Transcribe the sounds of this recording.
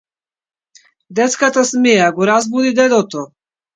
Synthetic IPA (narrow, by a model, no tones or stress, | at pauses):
d̪ɛt̪skat̪asmɛjaɡɔɾazbud̪id̪ɛd̪ɔt̪ɔ